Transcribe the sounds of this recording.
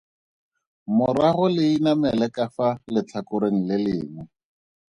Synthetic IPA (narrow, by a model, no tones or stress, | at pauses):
mʊɾaɣʊlɪinamɛlɛkʼafalɪt͡ɬʰakʊɾeŋ̩lɪlɪːŋu